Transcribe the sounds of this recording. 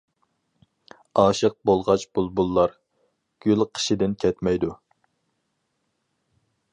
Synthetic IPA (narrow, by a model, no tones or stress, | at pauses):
ɑːʃəq̚bolˠʁɑt͡ʃbulˠbulˠːɑɾ | ɡ̥ʲylqʰə̥ʃid̪ɪnkʲʰɛt̪mɛjd̪u